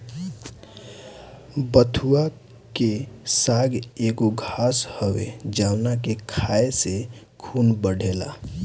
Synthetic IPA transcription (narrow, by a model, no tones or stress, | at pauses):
bət̪ʰua | kesaɡeɡoɡʱashəwḛd͡ʒaʊnakekʰaese | kʰunbəɽʱela̰